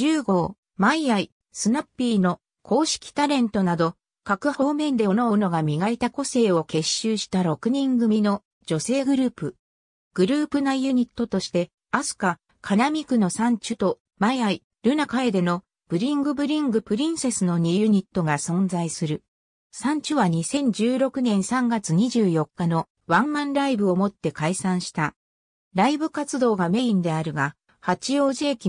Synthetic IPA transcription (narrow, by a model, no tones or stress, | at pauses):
ɨːɡo̞ː | maiai | sɨnapːiːno̞ | kʰo̞ːɕi̥kʲi̥t̪aɾẽ̞nt̪o̞nad̪o̞ | kakɯ̟ho̞ːmẽ̞nd̪e̞ono̞ɯno̞ɡamʲiɡait̪ako̞se̞ːo̞ke̞ɕːɨːɕi̥t̪aɾo̞kɯ̟ɲ̟ĩŋɡɯ̟mʲino̞ | d͡ʑo̞se̞ːɡɯ̟ɾɯ̟ːpɯ̟ | ɡ̥ɯ̟ɾɯ̟ːpɯ̟najɯ̟ɲ̟it̪ːo̞t̪o̞ɕi̥t̪e̞ | asɨ̥ka | kʰanamʲikɯ̟no̞sãɲ̟t͡ɕɨt̪o̞ | maiai | ɾɯ̟nakae̞d̪e̞no̞ | b̥ɯ̟ɾʲĩŋɡɯ̟bɯ̟ɾʲĩŋɡɯ̟pɯ̟ɾʲĩɰ̃se̞sɨno̞ɲ̟ijɯ̟ɲ̟it̪ːo̞ɡasõ̞nzaisɨɾɯ̟ | sãɲ̟t͡ɕɨβaɲ̟isẽ̞ɲ̟d͡ʑɨːɾo̞kɯ̟nẽ̞ɰ̃sãŋɡat͡sɨɲ̟iʑɨːjo̞kːano̞ | βãmːãnɾaibɯ̟o̞mo̞t̪ːe̞kaisãɰ̃ɕi̥t̪a | ɾaibɯ̟kat͡sɨd̪o̞ːɡame̞ĩnd̪e̞aɾɯ̟ɡa | hat͡ɕio̞ːʑe̞ːkʲi